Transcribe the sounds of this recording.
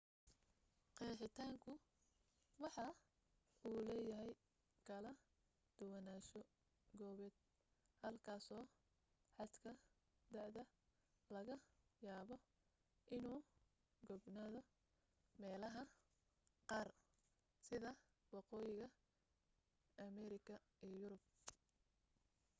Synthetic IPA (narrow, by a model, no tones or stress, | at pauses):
qɛːħɪt̪ʰaːŋkʰʊ | wɑħɑ | uːlɛːjɐɦɛj | kʰɐlɐ | d̪̥ʊwɐnaːʃɔ | ɡɔːβɛːd̪̚ | hɐlkʰaːsɔː | ħɑd̪kʰɐ | d̪ɐʕðɐ | lɐɣɐjaːβɔ | ʔɪnuː | ɡɔbnaːðɔ | mɛːlɐɦɐ | qɑːr | sɪðɐ | wɑqɔːjɪɣɐ | ʔɐmɛɾɪkʰɐ | ijjʊɾʊb̚